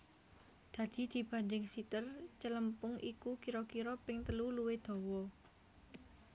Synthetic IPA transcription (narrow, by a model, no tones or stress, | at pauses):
d̪̥ä̤d̪̥i̤d̪̥i̤b̥a̤ndɪŋsit̪ərt͡ʃələmpʊŋʔikukiɾɔkiɾɔpɪŋt̪əluluwed̪̥o̤wɔ